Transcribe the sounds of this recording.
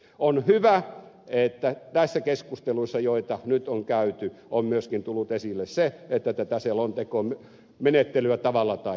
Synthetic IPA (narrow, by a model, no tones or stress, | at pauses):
onhyʋæet̪ːæt̪æisːækeskust̪eluisːɑjoit̪ɑnyt̪oŋkæyt̪yommyøskint̪ulːut̪esilːesseet̪ːæt̪æt̪æselont̪ekom | menet̪ːelyæt̪ɑʋɑlːɑt̪ɑi